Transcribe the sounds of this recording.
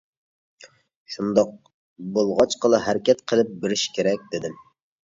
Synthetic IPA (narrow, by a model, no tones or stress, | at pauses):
ʃund̪ɑq̚ | bolˠʁɑt͡ʃqʰəlˠɨɦæɾɪkʲʰɛt̪qʰəlˠɨp̚bɪɾɪʃkʲʰeɾɛk̚ʲd̪ɪd̪ɪm